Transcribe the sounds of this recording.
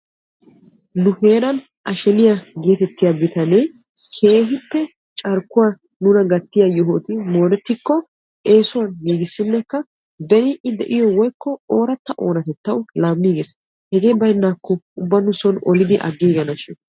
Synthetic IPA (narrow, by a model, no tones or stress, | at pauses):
nʊhe̞ːɾɐn | ʔɐʃɛnɪjaɡeːt̪ɛt̪ːɪjabɪt̪ɐne | kʰe̞ːɦɪpːɛ | t͡ʃʼɐɾkːʊwa | nʊnɐɡɐt̪ːɪjajɔɦoːt̪ɪmo̞ːnɛt̪ːɪkːɔ | eːsʊwɐnmiːɡɪsːɪnːɛkːɐ | bɛɾiʔɪd̪ɛ̰ʔɪjɔwɔjkːɔoːɾɐt̪ːɐʔo̞ːnɐt̪ɛt̪ːɐwlaːmːiːɡɛs | hɛɡeːbɐjnːaːkːɔʊbːɐnʊsɔnɔlɪd̪ɪʔɐ̰ɡːeːɡɐnɐʃɪn